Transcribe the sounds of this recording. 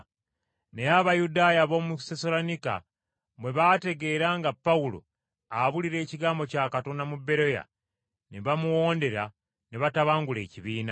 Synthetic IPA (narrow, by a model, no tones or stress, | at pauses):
ne̞aβajudaːjaβo̞ːmusesolonika̰ | mwe̞βaːte̞ɡe̞ɾaːŋɡapːawulo̞̰ | aβuliɾe̞ːciɡaːmbo̞caːkato̞namubːe̞ɾo̞ja̰ | neβamuwo̞ːnde̞ɾa | neβataβaːŋɡule̞̰ːciβiːna